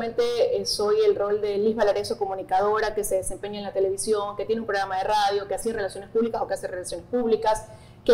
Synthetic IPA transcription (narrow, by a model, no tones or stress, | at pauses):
ent̪e̞so̞je̞lro̞ld̪e̞liɦβalaɾesoko̞mũnikað̞o̞ɾake̞seðese̞mpe̞ɲaenlat̪e̞le̞β̞isjo̞ŋke̞t̪jenumpɾo̞ɣɾamað̞eraðjo̞keasire̞lasjo̞nespuβlikaso̞keaserelasjo̞ne̞spuβlikas | ke